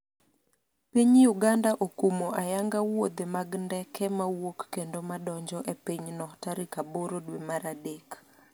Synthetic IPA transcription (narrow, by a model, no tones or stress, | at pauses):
piɲjuɡandaʔokumoʔajaŋɡawod̪emaɡndɛkʰɛmawokːendomadɔɲd͡ʒɔʔepiɲnɔtaɾikaboɾodwemaɾadek